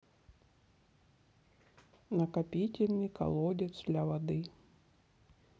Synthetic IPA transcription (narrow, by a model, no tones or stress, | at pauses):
nɐkɐpʲitʲɪlʲnɨjkɐ̰lˠɔdʲɪt̪sd̪lʲɐvad̪ɨ